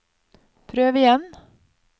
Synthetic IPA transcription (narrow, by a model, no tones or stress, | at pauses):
pʰɾøːʋɪjɛn